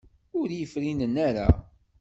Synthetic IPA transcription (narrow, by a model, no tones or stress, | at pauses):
ʊɾjəfɾinənːaɾa̰